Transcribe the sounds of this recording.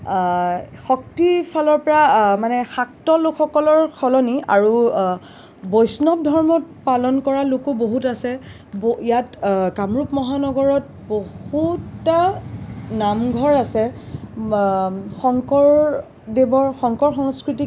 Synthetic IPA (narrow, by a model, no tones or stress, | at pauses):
xɔktifʰalɔɹpɔɹamanɛxak̚tɔlokxɔkɔlɔɹkʰɔlɔnia̰ɹu | bɔjsnɔp̚dʱɔɹmɔt̚palɔnkɔɹalʊkoboɦutasɛ | boijatkamɹupmɔɦanɔɡɔɹɔt̚ | bohutːa | namɡʱɔɹasɛ | xɔŋkɔɹ | debɔɹxɔŋkɔɹxɔŋskɹiti